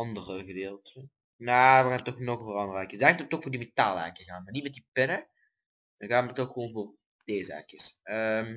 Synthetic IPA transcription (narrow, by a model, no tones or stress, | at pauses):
ɑndərəɣədeːlˠtʰə | naːʋəɣaːnətɔxnɔxɣəvərɑndərɛkjəsdɛtətɔxfoːrdimetaːlˠɛ̰kjəɣaːnmanitmɛtdipɪnə | dɑnɣaːtmətɔxːəʋoːnvoːr | d̥eːzəɛ̰kjəsəm